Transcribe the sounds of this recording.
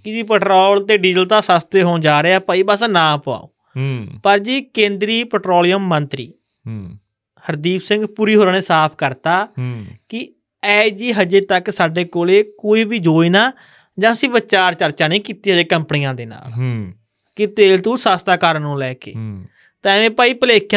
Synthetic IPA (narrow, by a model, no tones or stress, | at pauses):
kɪd͡ʒiːpɛʈɾoːlt̪eːɖiːzəlt̪aːsaːst̪eːɦoːnd͡ʒaːɾeːaːpəiːbəsnãːpa̰ːo̰ː | pəɾd͡ʒiːkẽːnd̪ɾiːpɛːʈɾoːlijəmːənt̪ɾiː | həɾd̪iːpsɪ̃ŋɡpuːɾiːɦoːɾənẽːsaːpʰkəɾt̪aːkɪ | ɛːd͡ʒiːɦəd͡ʒeːt̪əksaːɖeːkoːleːkoːiːbiːd͡ʒoːiːnaː | d͡ʒãːəsĩːʋət͡ʃaːɾt͡ʃəɾt͡ʃaːnĩːkiːt̪iːɦəd͡ʒeːkəmpɳijãːd̪eːna̰ːl | kɪt̪eːlt̪ũːsaːst̪aːkəɾnũːlɛːkḛː | t̪ɛ̃ːʋẽːpaːiːpəleːkʰjã